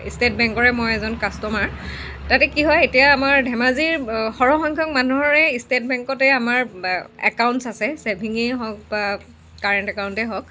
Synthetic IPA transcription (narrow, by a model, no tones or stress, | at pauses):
ḭstet̚bɛŋkɔɹɛmojɛzɔnkastɔmaɹ | tatɛkiɦɔjetijaːmaɹdʱɛmaziɹxɔɹɔxɔŋkʰɔk̚manuɦɔɹɛistet̚bɛŋkɔtɛamaɹɛ̰kawntsasɛsebʱiŋiɦɔk̚ba | kaɹɛntɛkawntɛɦɔk